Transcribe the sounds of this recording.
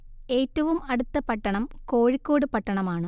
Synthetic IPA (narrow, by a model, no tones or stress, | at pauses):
e̞ːtːɐʋumɐɽut̪ːɐpɐʈːɐɳɐmkoːɻikːoːɽɨpɐʈːɐɳɐmaːɳɨ